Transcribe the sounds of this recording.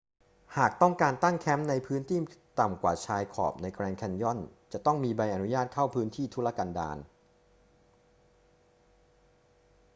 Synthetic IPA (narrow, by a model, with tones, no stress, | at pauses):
haː˨˩k̚t̪ɔ˥˩ŋkaː˧nt̪a˥˩ŋkʰɛ˦˥mna˧jpʰɯː˦˥nt̪ʰiː˥˩t̪a˨˩mkwa̰ː˨˩t͡ɕʰaː˧jkʰɔ̰ː˨˩p̚na˧jkɾɛː˧ŋkʰɛ˧njɔ˥˩nt͡ɕa˨˩t̪ɔ˥˩ŋmiː˧ba˧jʔa˧nu˦˥jaː˥˩t̪̚kʰa˥˩wpʰɯː˦˥nt̪ʰiː˥˩t̪ʰu˦˥˩la˧˩ka˧nda̰ː˧n